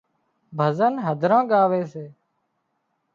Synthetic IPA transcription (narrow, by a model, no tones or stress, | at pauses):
bʱəzənɦəd̪ʱɾãːɠaːʋeːseː